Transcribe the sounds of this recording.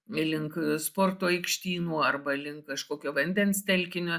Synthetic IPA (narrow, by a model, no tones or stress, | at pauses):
ɐlʲɪŋkspoːrt̪oːɛɪkʃʲt̪ʲiːnuːɐrbɐlʲɪŋkkɐʃkoːkʲoːʋɐnʲd̪ʲɛnst̪ʲɛlʲkʲɪnʲʊ